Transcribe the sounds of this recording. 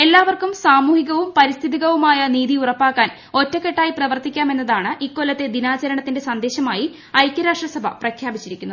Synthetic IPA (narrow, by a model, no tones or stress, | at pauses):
e̞lːaːʋɐrkumsaːmuːhiɣɐʋumpɐɾist̪ʰiðiɣɐʋumaːjɐniːðiurɐpːaːkːaːn | o̞tːɐkːe̞ʈːaːjiprɐʋɐrt̪ikʲːaːme̞nːɐðaːɳɨʔikːolːɐt̪ːe̞d̪inaːt͡ɕɐɾɐɳɐt̪ːinde̞sɐnd̪e̞ːɕɐmaːji | ɐjkʲːɐɾaːʂʈrɐsɐbʱɐprɐkʰjaːbit͡ɕːiɾikʲːunːuð